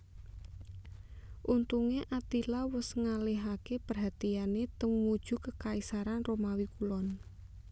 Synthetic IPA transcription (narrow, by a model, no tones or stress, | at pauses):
ʔunt̪uŋeʔat̪ilawʊsŋaleɦakepərɦat̪ianet̪əŋmud̥ʒ̥ṳkəkaisaɾanromawikulɔn